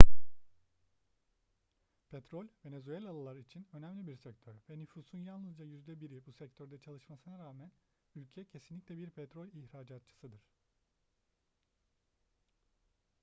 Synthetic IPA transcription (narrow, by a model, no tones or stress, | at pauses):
pʰɛt̪ɾo̞lʲve̞ne̞zyelʲalˠalˠaɾit͡ʃʰinø̞næmlʲibiɾsɛct̪ʰøɾvɛnyfuːsunjanlˠɯzd͡ʒajyzd̪ɛbiɾibusɛc̚t̪ʰø̞ɾd̪ɛt͡ʃʰalˠɯʃmasɯnaɾaːmæn | ylʲcʰɛɛcʰe̞sinlʲicʲlʲɛbiɾpʰɛt̪ɾolʲiçɾaːd͡ʒat̪̚t͡ʃʰɯ̥sɯd̪ɯɾ̥